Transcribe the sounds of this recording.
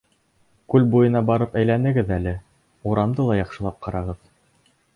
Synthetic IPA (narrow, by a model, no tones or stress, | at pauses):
kʉlbujɤ̆nɑbɑɾɤpæjlænɘ̆ɡɘðælɘ | uɾɑmd̪ɤlˠɑjɑχʃɤ̆lˠɑp̚qɑɾɑʁɤð